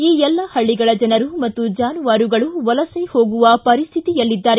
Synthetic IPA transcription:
iːɛlːɐhɐɭːiɡɐɭɐd͡ʒɐnɐɾumɐt̪ːud͡ʒaːnuʋaːɾuɡɐɭuʋɐlɐseho̞ːɡuʋɐpɐɾist̪ʰit̪ijɐlːid̪ːaːɾe

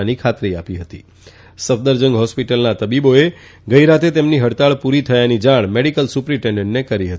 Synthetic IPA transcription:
nikʰat̪ɾiapiɦət̪i | səfd̪əɾd͡ʒə̃ŋɡɦɔspiʈəlnat̪əbiboeɡəiɾat̪ʰet̪emniɦəɽt̪aɭpuɾit̪ʰəjanid͡ʒaɽ̃meɽikəlsupɾiʈẽɳɖə̃ɳʈnekəɾiɦət̪i

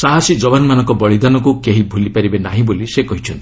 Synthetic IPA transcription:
saɦasid͡ʒɔbanmanɔ̃ŋkɔbɔɭid̪anɔkukeɦibʱulipaɾibenaɦĩbolisekɔɦit͡ʃʰɔnt̪ii̥

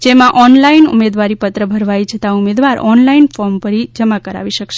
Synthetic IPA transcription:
d͡ʒemãʔɔnlainṵmed̪ʋaɾipət̪ɾəbʱəɾʋajt͡ʃʰət̪aumed̪ʋaɾɔ̰nlainfɔɾmpəɾid͡ʒəmakəɾa̰ʋiʃəkʃe

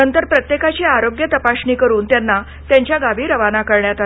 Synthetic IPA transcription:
ənt̪əɾpɾət̪jekat͡ɕiːaɾoɡjət̪əpaɕɳiːkəɾuːnt̪janːa | t̪jaɲt͡ɕjaɡaʋiːɾəʋanakəɾɳjat̪a

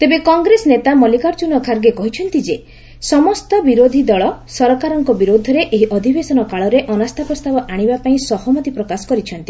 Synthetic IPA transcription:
t̪ebekɔŋɡɾesɔnet̪amɔlikaɾt͡ʃunɔkʰaɾɡekɔɦit͡ʃʰɔnt̪id͡ʒe | sɔmɔst̪ɔbiɾod̪ʱid̪ɔɭɔsɔɾɔkaɾɔŋkɔbiɾod̪ʱɔɾeʔeɦiʔɔd̪ʱibesɔnɔkaɭɔɾeʔɔnast̪ʰapɾɔst̪abɔʔaɽ̃ibapaĩsɔhɔmɔt̪ipɾɔkasɔ̥kɔɾit͡ʃʰɔnt̪i

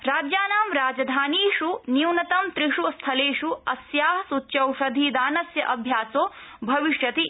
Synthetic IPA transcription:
ɾaːd͡ʒjaːnaːmɾaːd͡ʒɐd̪ʱaːniːʂuniwnɐt̪ɐmt̪ɾiʂust̪ʰɐleːʂuɐsjaːɦɐsutːʃɐwʂɐd̪ʱid̪aːnɐsjɐʔɐbʱjaːsoːbʱɐʋiʂjɐt̪i

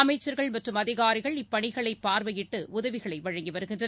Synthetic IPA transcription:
ɐmɐɪt͡ʃːɐɾɣɐɭmɐʈrɯmɐðɪɣaːɾɪɣɐɭɪpːɐɳɪɣɐɭɐɪpːaːɾʋɐjɪʈːɯʊðɐʋɪɣɐɭɐɪʋɐɻɐŋɡiʋɐɾɯɣɪndrɐ

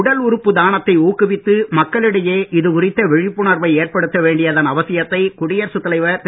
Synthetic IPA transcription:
ʊɽɐlʊɾɯpːɯd̪aːnɐt̪ːɐɪuːkːɯʋɪt̪ːɯmɐkːɐɭɪɽɐjeːʔɪðɯkʊrɪt̪ːɐʋɛɻɪpːɯnɐɾʋɐɪeːrpɐɽɯt̪ːɐʋeːɳɖɪjɐðɐnɐʋɐsɪjɐt̪ːɐɪkʊɽɪjɐɾsɯt̪ːɐlɐɪʋɐɾt̪

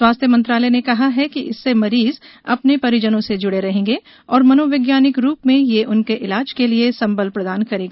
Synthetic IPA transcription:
swaːst̪ʰjəmɐ̃nt̪ɾaːlənekɐɦaɦɛkiʔɪsːemɐɾiːzɐ̰pnepɐɾɪd͡ʒənõsed͡ʒʊɽeɾɐɦẽːŋɡe | ɔːɾmɐnoːʋɪɡjaːnɪkɾuːpmẽjeʔʊnkeʔɪlaːd͡ʒkeliesɐ̃mbəlpɾɐd̪aːnkɐɾẽːɡaː

